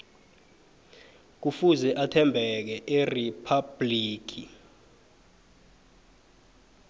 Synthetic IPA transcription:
k̬ufuzɛʔatʰɛmbʱɛk̬ɛʔeripʰab̥liːk̬i

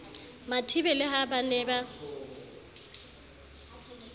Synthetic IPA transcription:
matʰibɛlɪɦabanɛːba

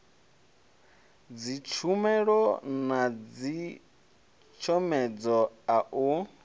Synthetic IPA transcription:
d͡zit͡ʃʰumɛɺɔnad͡zi | t͡ʃʰɔmɛd͡zɔaʔu

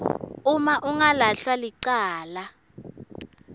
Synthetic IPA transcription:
umaʔuŋalaɬwaliǀaːla

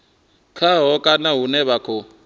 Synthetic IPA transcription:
kʰaɦɔkʼanaɦunɛβakʰɔ

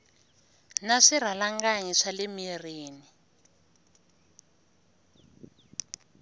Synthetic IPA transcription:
naʂir̤alaŋɡaɲiʂalemiriːni

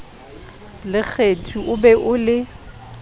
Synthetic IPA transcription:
lɪk͡xʰetʰuʔʊbɛʔʊlɪ

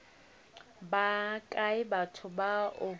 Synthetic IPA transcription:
bakʼaɪbatʰʊbaʊ

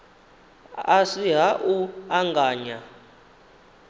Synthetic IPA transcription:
asiɦaʔuaŋɡaːɲa

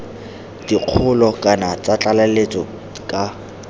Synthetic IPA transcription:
d̥iq͡χʰʊlɔkʼanat͡sʼat͡ɬʼalalet͡sɔ | kʼa

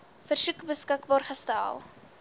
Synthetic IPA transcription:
fərsʉkbəskəkbɑːrχəstæ̰lˠ

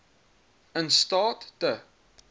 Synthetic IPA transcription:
ənstɑːttə

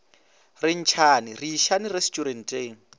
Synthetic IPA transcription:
rɪn̩t͡ʃʰaːnɪriːʃanirɛstʼuɾɛn̩tʼeːŋ̩

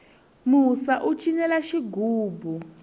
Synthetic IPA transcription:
musaʔut͡ʃʼinɛlaʃiɡʱuːbʱu

